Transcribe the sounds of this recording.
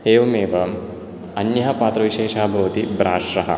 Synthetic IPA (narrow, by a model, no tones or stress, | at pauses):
eːʋɐmeːʋɐ | ɐnjɐɦɐpaːt̪ɾɐʋiʃeːʃaːbʱɐʋɐt̪ibɾaːʃɾɐɦɐ̰